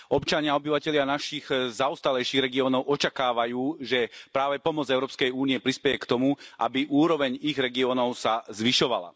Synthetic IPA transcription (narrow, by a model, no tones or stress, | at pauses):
ʔɔpt͡ʃaɲɪaɔbiʋacɛʎɪanaʃiɣzauːst̪alɛjʃiːɣɾɛɡiɔːnɔʊʔɔt͡ʃakaːʋajuːʒɛpɾaːʋɛpɔmɔd͡zɛʊɾɔːpskɛjuːniɛpɾispɛjɛkt̪ɔmuʔa̰biʔuːɾɔʋɛɲiɣɾɛɡiɔːnɔʊsazʋiʃɔʋa̰la̰